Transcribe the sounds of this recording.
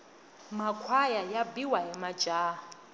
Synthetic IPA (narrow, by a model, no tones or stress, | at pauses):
makʰwajajabiwaɦɛmḁd͡ʒʼaː